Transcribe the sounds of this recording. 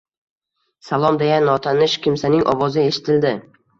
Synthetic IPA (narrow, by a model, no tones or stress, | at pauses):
salˠɒmd̪eɡʲanːɒt̪ʰanɪʃkʲɪmsanɪŋʔɒ̰wɒzaeʃɪ̥t̪ʰɪld̪ɪ